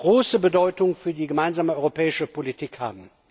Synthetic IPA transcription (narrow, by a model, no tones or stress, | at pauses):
ɡ̥ʁoːsəbədɔʏtʊŋfyːɐdiːɡəmaɪnzaːməʔɔʏʁopʰɛːɪʃəpolitʰiːkha̰ːbm̩